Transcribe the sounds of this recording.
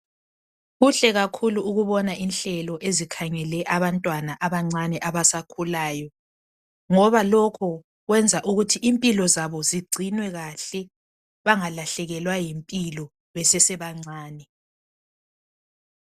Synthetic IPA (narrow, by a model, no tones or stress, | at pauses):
ɣuɬɛɣakʰuluːɣuβɔnaʔinɬɛlɔʔezikʰaŋɛlɛʔaβantʼwanaʔaβaŋ͡ǀanɛʔaβasakʰulaːjɔ | ŋɔβalɔkʰɔ | ɣwɛnd͡zʱaʔuɣutʰiʔimpʼilɔzaβɔziɡ͡ǀʱinwɛɣaɬɛ | βaŋalaɬɛɣɛlwajempʼilɔ | βɛsɛsɛβaŋ͡ǀaːnɛ